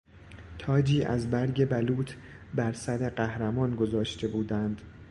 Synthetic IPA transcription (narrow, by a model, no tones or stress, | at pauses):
t̪ʰɒːd͡ʒiːʔæ̰zbæɾɟe̞bæluːt̪ʰ | bæɾsæɾe̞ɢæhɾæmɒːnɡo̞zɒːʃt̪ʰe̞buːd̪ænd̪̥